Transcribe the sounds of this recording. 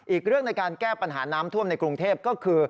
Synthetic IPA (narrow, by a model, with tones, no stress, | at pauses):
ʔiː˨˩k̚ɾɯ˥˩əŋna˧jkaː˧nkɛː˥˩pa˧nɦaː˩˦naː˦˥mt̪ʰu˥˩əmna˧jkɾu˧ŋt̪ʰeː˥˩p̚kɔː˥˩kʰɯː˧